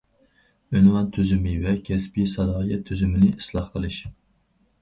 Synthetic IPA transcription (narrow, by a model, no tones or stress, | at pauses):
ynwɑnt̪ʰyzymɪvɛkʲʰɛspisɑd̪ɑːjɛt̪ʰːyzymɪnɪʔislˠɑhqʰəlˠɨʃ